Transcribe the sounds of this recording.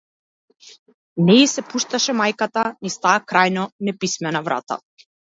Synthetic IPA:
nɛisɛpuʃt̪aʃɛmajkat̪anist̪aːkɾajnɔnɛpismɛnavɾa̰t̪a̰

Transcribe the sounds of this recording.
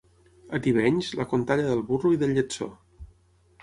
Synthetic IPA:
ət̪iβɛɲzləkunt̪aʎəðəlˠβuruiðəlːət͡so̰

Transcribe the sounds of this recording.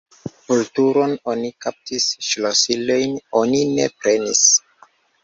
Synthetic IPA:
kultuɾo̞nonikap̚tisʃlosilo̞jno̞nine̞̰pɾe̞nis

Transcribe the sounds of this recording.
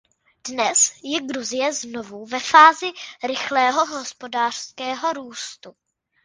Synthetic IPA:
dnɛsjɛɡɾuzɪjɛzno̞vuvɛfaːzɪɾɪxlɛːɦo̞ɦo̞spo̞daːr̝̥skɛːɦo̞ɾuːst̪u

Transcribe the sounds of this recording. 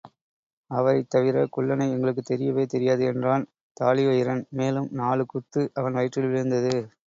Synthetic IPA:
ɐʋɐɾɐɪt̪ːɐʋɪɾɐkʊɭːɐnɐɪɛŋɡɐɭɯkːɯt̪ːɛɾɪjɐʋeːt̪ɛɾɪjaːðɯɛndraːn | t̪aːlɪjɔjɪɾɐnmeːlɯmnaːɭɯkːʊt̪ːɯʔɐʋɐnʋɐɪʈrɪlʋɪɾɯnd̪ɐðɯ

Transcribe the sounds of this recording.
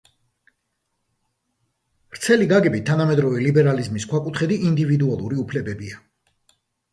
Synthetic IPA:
ɾt̪sʰɛliɡaɡɛbit̪ʰːanamɛd̪ɾɔvɛlibɛɾalizmiskʰwakʼut̪ʰχɛd̪iʔind̪ivid̪ualˠuɾiupʰlɛbɛbia

